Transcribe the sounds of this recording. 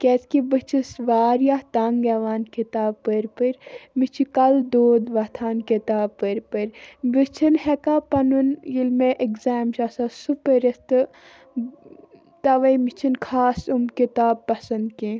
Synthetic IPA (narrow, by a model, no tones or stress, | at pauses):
kɛt͡skibɨt͡ʃʰisʋaːɾjat̪aŋɡɛʋaːnkit̪aːbpəɾpɨɾmit͡ʃʰikɐld̪oːd̪ʋɐt̪ʰaːnkit̪aːbpəɾpɐɾbɨt͡ʃʰinhɛkaːpɐnunjilmeʔekzaːmt͡ʃaːsasupəɾɐst̪ɨ | t̪ɐʋɐjmit͡ʃʰinkʰaːsumkit̪aːbpːɐsɐnd̪kĩ